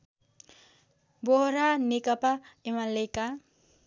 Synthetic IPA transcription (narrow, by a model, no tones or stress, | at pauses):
boɦɾanekʌpaemaleka